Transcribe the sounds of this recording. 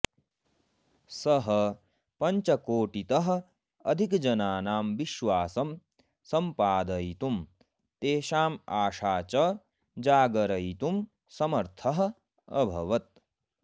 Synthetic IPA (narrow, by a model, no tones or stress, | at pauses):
sɐɦɐ | pɐɲt͡ʃɐkoːʈit̪ɐɦɐ̆ | ɐd̪ʱikd͡ʒɐnaːnaːmʋiʃʋaːsɐm | sɐmpaːd̪ɐjt̪um | t̪eːʃaːmaːʃaːt͡ʃɐ | d͡ʒaːɡɐɾɐjt̪um | sɐmɐɾt̪ʰɐɦɐ̆ | ɐ̰bʱɐʋɐt̪̚